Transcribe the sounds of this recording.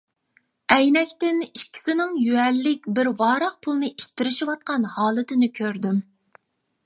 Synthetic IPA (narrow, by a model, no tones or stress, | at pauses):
ɛjnɛkʲt̪ɪnikʲʰːi̥sɪnɪŋjyɛlːɪkʲbɪɾwɑːɾəqpʰulˠnɨʔit̪ʰːɪɾɪʃiwɑt̪̚qɑnhɑːlˠɨt̪ʰɪnɪkʲʰøɾd̪ym